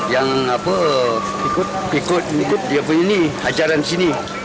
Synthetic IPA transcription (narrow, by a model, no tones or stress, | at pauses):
jaŋapə | pikʊt̪̚t̪̚diəpuiniad͡ʒaɾansini